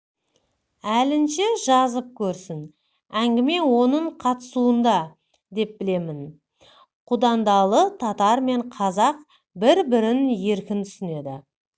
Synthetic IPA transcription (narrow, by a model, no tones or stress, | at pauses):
ælɪnʃeʒɑzəp̚kʲʰɵɾsɪn | æŋɡʲɪme̞wo̞nəɴqʰɑt̪əsuənd̪ɑ | d̪e̞p̚bɪle̞mɪn | qʰud̪ɑnd̪ɑlˠət̪ʰɑt̪ɑɾme̞ɴqʰɑzɑq̚ | bɪɾbɪɾɪnje̞ɾkʲɪnt̪ʰʏ̥sɪne̞d̪ɪ̰